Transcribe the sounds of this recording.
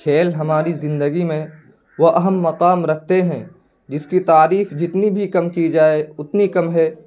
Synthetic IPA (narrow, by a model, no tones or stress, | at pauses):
kʰeːlɦɐmaːɾizɪ̃nd̪əɡimẽ | ʋoʔɐɦəmːɐqaːmɾɐk̚ʰt̪eɦɛ̃ | d͡ʒɪskit̪aːɾiːfd͡ʒɪt̪nibʱikɐmkid͡ʒaːeʊt̪nikɐmɦɛː